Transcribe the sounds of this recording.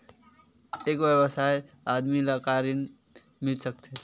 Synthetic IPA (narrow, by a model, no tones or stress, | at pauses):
ekwjəbəsaj | ad̪miləkaɾin | milsəkt̪e